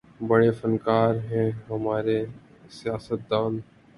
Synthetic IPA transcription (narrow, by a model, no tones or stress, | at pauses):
bəɽefənkaːɾɦɛ̃ɦɐmaːɾe | sijaːsət̪̚d̪aːn